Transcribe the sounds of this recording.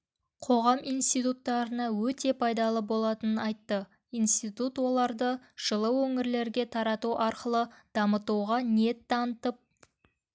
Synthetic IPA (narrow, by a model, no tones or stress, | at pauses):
qʰo̞ʁɑmijnst̪ijt̪ut̪ːɑɾənɑwɵt̪e̞pʰɑjd̪ɑlˠəbo̞lˠɑt̪ənənɑjt̪ːə | ijnst̪it̪ut̪wo̞lˠɑɾd̪ə | ʒ̥əlˠəwɵŋɪɾle̞ɾɡʲe̞t̪ʰɑɾɑt̪uʔɑɾqəlˠəd̪̥ɑmət̪uʁɑne̞t̪ːɑnət̪əp̚